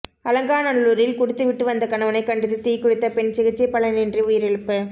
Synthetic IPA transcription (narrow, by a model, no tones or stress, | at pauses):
ɐlɐŋɡaːnɐnluːɾɪlkʊɽɯt̪ːɯʋɪʈːɯʋɐnd̪ɐkɐɳɐʋɐnɐɪkːɐɳɖɪt̪ːɯt̪iːkːɔɽɯt̪ːɐpɛɳt͡ʃɪɣɯt͡ʃːɐɪpːɐɭɐnɪndriʊjɪɾɛɻɯpːɯ